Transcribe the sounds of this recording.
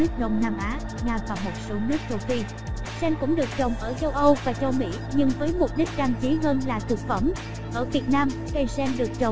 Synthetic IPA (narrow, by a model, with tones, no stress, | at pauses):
nɨ˦˥ək̚ɗə˧wŋ͡mnaː˧mʔaː˨˦ | ŋaː˧˩vaː˨˩mo˨˩t̚so˨˦nɨ˦˥ək̚t͡ɕə˧wxfi˧ | sɛ˧nkʊ̰˧˥ŋ͡mɗɨ˨˩ək̚t͡ɕə˨˩wŋ͡mʔəː˧˩t͡ɕə˧wʔə˧wvaː˨˩t͡ɕə˧wmḭ˧˥ | ɲɨ˧ŋvəː˨˦jmo˨˩t̚ɗi˦˥k̟̚ɗaː˧mt͡ɕi˨˦ɦəː˧nlaː˨˩t̪ʰɨ˨˩k̚fə˧˩m | ʔəː˧˩vi˨˩ət̚naː˧m | ka˨˧˩jsɛ˧nɗɨ˨˩ək̚t͡ɕə˨˩wŋ͡m